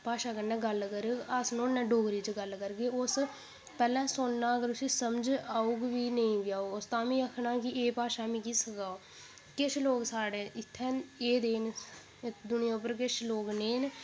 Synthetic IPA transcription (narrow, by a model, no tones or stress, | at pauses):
paːʃaːkəɾnɛ̃ːɡəlkəɾəsnõːnːɛ̃ːɖoːɡɾiːt͡ʃəɡəlkəɾɡeːʊs | pɛːlɛ̃ːsonnaːəɡəɾʊsiːsəmd͡ʒaːuːɡʋiːnəĩːʋɪjaːoʊst̪ãːmĩːəkʰnaːkɪʔeːpaːʃaːmĩːkisəɡaːoː | kɪʃʰloːɡsaːɽeːɪt̪ʰːɛ̃ːneːd̪eːn | d̪ʊnɪjãːʊp̬ːəɾkɪt͡ʃʰloːɡneːn